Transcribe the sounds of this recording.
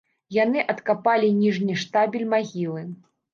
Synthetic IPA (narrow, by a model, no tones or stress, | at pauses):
janɨʔɐt̪kapalʲinʲiʐnʲiʂt̪abʲilʲmaɣʲilˠɨ